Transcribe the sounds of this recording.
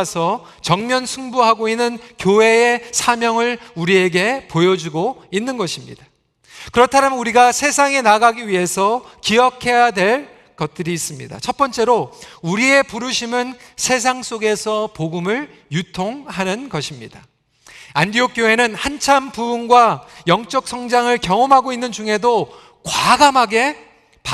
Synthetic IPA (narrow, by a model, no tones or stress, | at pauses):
sʰʌ | t͡ɕʌŋmjʌnsʰuŋbuɦaɡoinːɯnkjoɦe̞esʰamjʌŋɯɭuɾie̞ɡe̞pojʌd͡ʑuɡoinːɯnɡʌɕʰimɲḭd̥a | kɯɾʌtʰaɾamʌnuɾiɡasʰe̞sʰaŋe̞naɡaɡiɥiɦe̞sʰʌkiʌkʰe̞jadwe̞ɭ | kʌt̚t͈ɯɾiːs͈ɯmɲḭda̰t͡ɕʰʌp͈ʌnt͡ɕ͈e̞ɾouɾie̞puɾuɕʰimɯnsʰe̞s̬ʰaŋs͈oɡe̞sʰʌpoɡumɯɭ | jutʰoŋɦanɯnɡʌɕʰimɲida | andiok͈joɦe̞nɯnhant͡ɕʰampubunɡwajʌŋt͡ɕ͈ʌk̚s͈ʰʌŋd͡ʑaŋɯɭkjʌŋomɦaɡoinːɯnd͡ʑuŋɦe̞do | kwaɡamɦaɡe̞ | pa